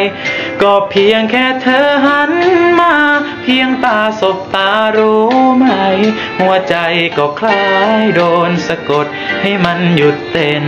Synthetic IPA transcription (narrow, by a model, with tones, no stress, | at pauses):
jkɔː˧˩pʰi˧əŋkʰɛː˧˩t̪ʰɤː˧˦ɦa˧˥nmaː˧˩ | pʰi˧əŋt̪aː˧so˨˧˦p̚t̪aː˧ɾuː˦ma˧˩j | hu˧˩ət͡ɕa˧jkɔː˧˩kʰlaː˧jdoː˧nsa˧ko˨˩t̪̚ha˥˩jma˧˥nju˨˩t̪ːe˧˩n